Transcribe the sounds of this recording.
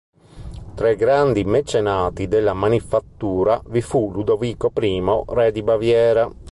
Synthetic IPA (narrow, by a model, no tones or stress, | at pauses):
t̪ɾaiɡɾand̪imet͡ʃenaːt̪id̪elːamanifat̪ːuːɾavifulud̪oviːkopɾiːmorɛd̪ibavjɛːɾa